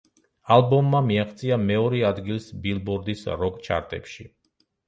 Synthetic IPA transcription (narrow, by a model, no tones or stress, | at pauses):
alˠbɔmːamiaχt̪sʼiamɛɔɾɛad̪ɡilˠsbilˠbɔɾd̪isɾɔkʼt͡ʃʰa̰ɾt̪ʼɛ̰pʃi